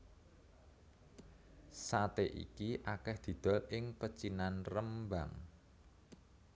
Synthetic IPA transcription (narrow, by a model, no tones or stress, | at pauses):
sat̪eʔḭkiʔakɛhd̪̥i̤d̪̥ɔ̤lɪŋpət͡ʃinanrəmba̰ŋ